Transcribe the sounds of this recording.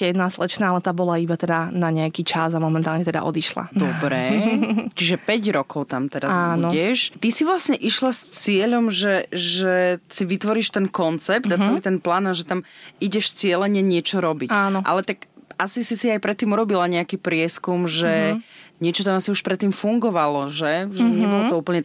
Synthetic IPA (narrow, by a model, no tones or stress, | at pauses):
ɛjɛd̪naːslɛt͡ʃnaːalɛt̪aːbɔlaibat̪ɛd̪anaɲɛakiːt͡ʃazamɔmɛnt̪aːlɲɛt̪ɛd̪a̰ʔɔ̰d̪iʃla̰d̪ɔbɾɛːt͡ʃiʒɛpɛɟɾɔkɔʊt̪amt̪ɛɾazaunɔɟɛʃt̪isiʋlasɲɛʔiʃlast͡sɪɛʎɔmʒɛʒɛsiʋit̪ʋɔɾiʃt̪ɛnkɔnt͡sɛp̚t̪at͡sɛliːt̪ɛnplaːnaʒɛt̪amiɟɛʃt͡sɪɛlɛɲɛɲɪɛt͡ʃɔɾɔbicanɔʔa̰lɛt̪akasisisiajpɾɛt̪ːiːmuɾɔbilaɲɛakiːpɾɪɛskumʒɛɲɪɛt͡ʃɔt̪amasiuʃpɾɛt̪ːiːmfuŋɡɔʋalɔʒɛʒɛɲɛbɔlɔt̪ɔuːpl̩ɲɛ